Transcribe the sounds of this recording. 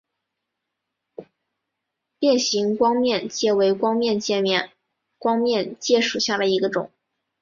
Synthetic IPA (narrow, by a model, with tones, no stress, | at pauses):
pjɛ˥˩nɕi˧˥ŋkwɑ˥ŋmjɛ˥˧nt͡ɕjɛ˥˩we˧˥ɪkwɑ˥ŋmjɛ˥˧nt͡ɕjɛ˥˧mjɛ˥˩n | kwɑ˥ŋmjɛ˥˧nt͡ɕjɛ˥˩ʂu˨˩ɕja˥˩d̪ə˩i˧˥ɡə˧ʈ͡ʂʊ̰˨˩˦ŋ